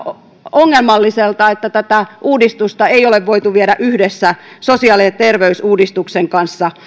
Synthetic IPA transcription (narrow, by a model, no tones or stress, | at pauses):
oŋːelmɑlːiselt̪ɑet̪ːæt̪æt̪æʔuːdist̪ust̪ɑeijoleʋʋoit̪uʋieɾæʔyhdesːæsosiɑːliset̪erʋeysuːdist̪ukseŋkɑnsːɑ